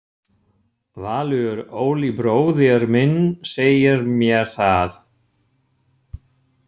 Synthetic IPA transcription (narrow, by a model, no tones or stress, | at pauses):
vaːlʏɣʏɾoːwlipɾoːwðɪaɾmɪnːseːjɪɾmjɛɾ̥θaθ